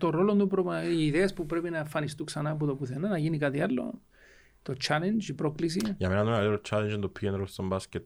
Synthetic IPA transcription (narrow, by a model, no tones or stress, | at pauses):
t̪o̞ɾo̞lond̪upɾoaiːðeɐspupɾe̞pinɐefɐnist̪uksɐnap̬ut̪opuθenɐnɐʝinikat̪ialːo̞̰ | t̪o̞t͡ʃalend͡ʒipɾo̞klis̬iʝɐmenɐnmelieɾot͡ʃʰːalend͡ʒind̪opʰːienɾost̪ombascet̪